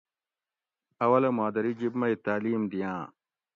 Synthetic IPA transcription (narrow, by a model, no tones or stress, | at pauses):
ɐwɐlɐmaːd̪ɐɾid͡ʑibmɐit̪aːliːmd̪ijãː